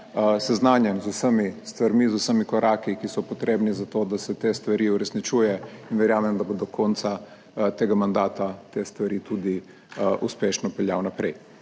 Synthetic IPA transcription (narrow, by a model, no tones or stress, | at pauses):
sɛznaːnjɛmzusəmist̪ʋaɾmizusəmikɔɾʔaːkikisɔpɔt̪ɾeːbnizat̪oːd̪asɛt̪est̪ʋaɾiːuɾɛsnit͡ʃuːjɛinʋɛɾjaːmɛmd̪ɐbod̪ɔkʰɔːnt̪sa | t̪eːɡamand̪aːt̪at̪est̪ʋaɾiːt̪ud̪i | ʔuspeːʃnɔpɛlja̰wnapɾɛj